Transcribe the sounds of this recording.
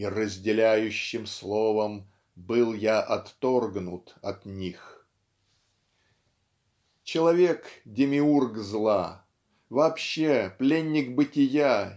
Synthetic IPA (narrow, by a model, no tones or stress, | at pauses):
irəzʲdʲɪlʲæjʉɕːɪmslˠo̞vəm | bɨlˠjaʔɐt̪ːorɡnʊt̪ɐt̪nʲix | t͡ɕɪlˠɐvʲe̞kdʲɪmʲɪurɡzlˠa | vɐːpɕːeplʲenʲːɪkbɨtʲɪja